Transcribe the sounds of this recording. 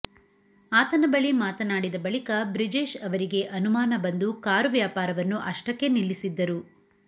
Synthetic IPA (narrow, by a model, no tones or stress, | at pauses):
aːt̪ɐnɐbɐɭimaːt̪ɐnaːɽid̪ɐbɐɭikɐbɾid͡ʒeːʃɐʋɐɾiɡe̞ʔɐnumaːnɐbɐnd̪ukaːɾuʋjaːpaːɾɐʋɐnːuʔɐʂʈɐkːe̞nilːisid̪ːɐɾu